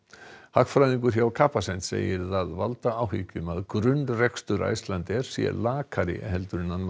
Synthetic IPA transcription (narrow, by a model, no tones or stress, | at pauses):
hakfɾajðiŋk̬ʏɾ̥çjawkʰaːpasɛn̥t̪sḛːjɪɾθaðvalt̪aawɦiːcʏmaðkɾʏnːrɛkst̪ʏɾa̰jst̪lant̪ɛɾ̥sjɛ̰laːkʰaɾɪ̰ɦɛlt̪ʏɾɪnːan